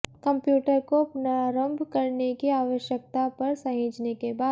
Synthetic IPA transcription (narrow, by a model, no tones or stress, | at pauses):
kɐ̃mpjuːʈəɾkopnaːɾə̃mbʱkɐɾnekiaːʋəʃjək̚t̪apɐɾsɐɦĩːd͡ʒnekebaː